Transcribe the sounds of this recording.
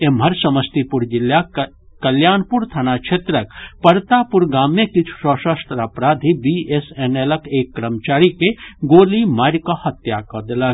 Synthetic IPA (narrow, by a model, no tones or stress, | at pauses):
emɦɐɾsɐməst̪ipʊɾd͡ʒɪlja | kɐljaːnpuɾt̪ʰanakt͡ʃʰeːt̪ɾəkpɐɾt̪aːpʊɾɡaːmːẽkit͡ʃʰu̥sɔːʃəst̪ɾapɾaːd̪ʱibieseneləkeːkːɾəmt͡ʃaːɾikeɡoːlimaːɾkahɐt̪jakɐd̪ɪlɐ